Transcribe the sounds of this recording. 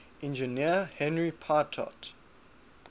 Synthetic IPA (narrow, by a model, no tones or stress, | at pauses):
ɛ̃nd͡ʒəniəhɛ̃nɹipʰaːtʰɔ̰t